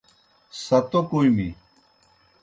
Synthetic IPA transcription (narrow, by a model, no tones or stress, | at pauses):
sɐt̪okuimi